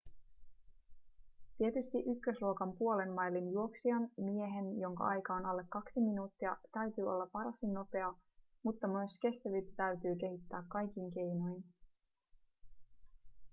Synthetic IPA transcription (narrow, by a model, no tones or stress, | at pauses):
t̪iet̪yst̪iʔykːøsluokɑmpuo̞le̞mːɑjlːinjuo̞ksiɑnmie̞ɦe̞njo̞ŋkɑ̰ʔɑjkɑonɑlːe̞kːɑksiminuːt̪ːiɑt̪æɥt̪yːo̞̰lːɑpɑɾɑsinːo̞pe̞ɑmut̪ːɑmyøske̞st̪æʋit̪æt̪æyt̪yːk̟e̞ɦit̪ːæːkːɑjk̟iŋk̟e̞jno̞jn